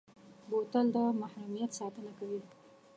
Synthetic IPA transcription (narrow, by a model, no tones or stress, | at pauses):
bot̪əld̪əmahɾumijat̪sɑt̪ənakawi